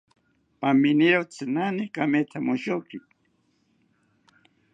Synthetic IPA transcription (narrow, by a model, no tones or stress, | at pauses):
paminiɾowt͡sɨnanikamet̪ʰamuʃoki